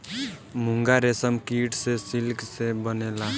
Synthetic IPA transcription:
muŋɡaɾesəmkiʈsesilksebənela

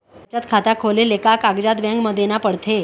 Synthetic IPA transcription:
t͡ɕat̪kʰat̪akʰolelekakaɡd͡ʑad̪ʋjãŋɡməd̪ʱjenapəɽt̪ʰe

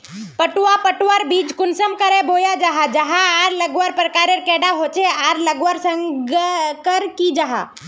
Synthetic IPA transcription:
pəʈwapəʈwaɾbiːd͡ʒkʊnsəmkəɾebʱoːjad͡ʒaɦad͡ʒɐɦãaːɾləɡʋaɾpɾəkaːɾeɾkɛːɖaɦoːt͡ʃeaɾləɡwəɾsə̃ŋɡkəɾkid͡ʒaɦa̰ː

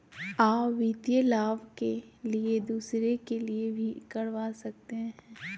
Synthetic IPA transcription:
aːpʋit̪jəlaːʋkelied̪uːsɾekeliebʱikɐɽʋaːsɐk̚t̪eɦɛ̃ː

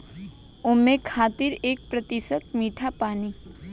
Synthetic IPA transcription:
ʊnmẽkʰaːt̪ɪɾeːk̚pɾɐt̪ɪsət̪miːʈʰapaːniː

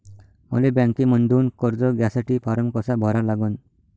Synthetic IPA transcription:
mə̰lebjãŋkiməɳd̪uːnkɔɾd͡zɔɡjasaʈiːpʰaɾəmkɔsabʱɔɾalaɡən

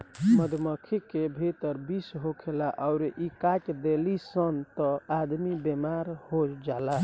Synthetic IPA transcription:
məd̪ʱməkʰikːebʱit̪əɾbisɦokʰelaʔaʊɾʔikat͡ʃd̪elisənt̪ɔad̪mibemaɾhod͡ʒala

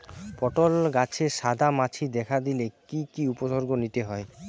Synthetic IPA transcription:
pɔʈolɡat͡ɕʰeʃad̪ʱamat͡ɕʰid̪ɛkʰad̪ilekikiuposoɾɡonit̪eɦɔe

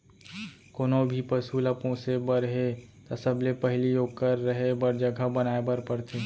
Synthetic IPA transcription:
koːnobʱipəsuləpõːsebəɾɦet̪asəblepəɦlijoːɡkəɾːəɦebəɾd͡ʒəɡʱabənaːebəɾpəɾt̪ʰeː

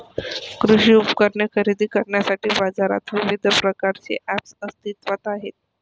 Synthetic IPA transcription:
kɾuɕiːupkəɾɳjekʰəɾid̪iːkəɾɳjasaʈiːbad͡zaɾa̰t̪ʋiʋid̪ʱpɾəkaɾt͡sḛʔæpsəst̪it̪ʋat̪aɦḛt̪̚

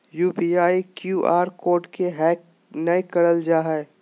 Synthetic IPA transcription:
juːpiːaːikjuːʔaːɾkoːɾɖkeɦɛːk̚ | nɐekɐɽəld͡ʒaːɦɛ

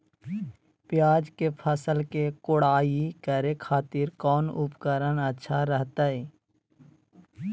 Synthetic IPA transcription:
pɪjaːd͡ʒkepʰəsəlkekʊɽaːikəɾekʰaːt̪iːɾkɔːnʊpkəɾənətːʃʰaɾəɦt̪aɛː

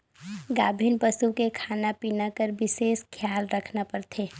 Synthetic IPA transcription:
ɡaːbʱinpəsukekʰanapinakəɾbɪseːskʰjaːlɾəkʰnapəɾt̪ʰeː

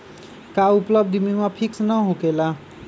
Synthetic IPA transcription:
kauplʌb̚d̪ʱimimapʰiksnʌɦokela

